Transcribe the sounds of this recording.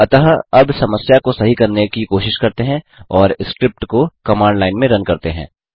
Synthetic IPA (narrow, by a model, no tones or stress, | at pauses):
ɐt̪əɦɐbsɐməsjakosɐɦikɐɾnekikoːʃɪʃkɐɾt̪eɦɛ̃ | ɔːɾɪskɾɪp̚ʈkokɐmaːɳɖlaːɪnmẽɾɐ̃nkɐɾt̪eɦɛ̰̃ː